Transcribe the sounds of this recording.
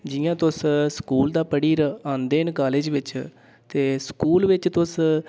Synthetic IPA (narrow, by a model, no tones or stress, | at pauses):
d͡ʒɪjãːt̪ʊsskuːld̪aːpəɽiːɾəãːnd̪eːɪnkaːleːd͡ʒʋɪt͡ʃ | t̪eːskuːlʋɪt͡ʃt̪ʊs